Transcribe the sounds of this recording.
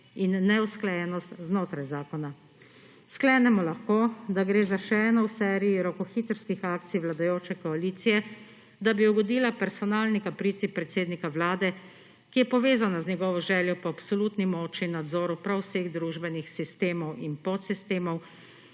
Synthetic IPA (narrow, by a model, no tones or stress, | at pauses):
inːɛusklajɛnɔst̪znoːt̪ɾajzaːkɔna | sklɛnɛmɔlaxkoːd̪aɡɾeːzaʃɛɛːnɔwsɛːɾijiɾɔkɔxiːt̪ɾskixaːkt̪sijʋlad̪ajoːt͡ʃɛkɔaliːt̪sijɛ | d̪abiuɡɔd̪iːlapɛɾsɔnaːlnikapɾiːt̪sipɾɛt̪seːd̪nikaʋlaːd̪ɛ | kijɛpɔʋeːzanazɲɛɡɔʋɔʒɛːljɔpɔapsɔluːt̪nimɔːt͡ʃinad̪zɔːɾupɾawseɣd̪ɾuːʒbɛnixsist̪eːmɔwinpɔt̪sist̪eːmɔw